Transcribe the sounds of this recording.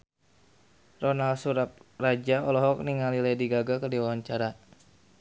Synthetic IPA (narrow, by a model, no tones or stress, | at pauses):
rɔnalsuɾap̚rad͡ʒaɔlɔɦɔk̚niŋalilɛdiɡaɡakərdiwawaɲt͡ʃaɾa